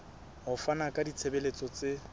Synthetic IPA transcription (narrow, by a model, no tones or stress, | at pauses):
ɦʊfanakʼadit͡sʰebelet͡sʼɔt͡sʼe